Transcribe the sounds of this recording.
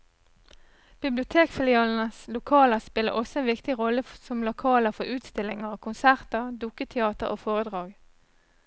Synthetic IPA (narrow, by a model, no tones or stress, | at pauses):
b̥ɪblɪʊt̪ʰeːkfɪlɪɑːln̩əslʊkʰɑːləʁspɪlə̰ʔɔsɔeːnʋɪkt̪ɪʁɔləsɔmlʊkʰɑːləʁfɔʁʔʉːt̪st̪ɪlɪŋəʁkʰʊnsæʁt̪əʁd̪ʊkət̪ʰɛɑːt̪əʁʔo̰ːfoːʁəd̪ʁɑːɡ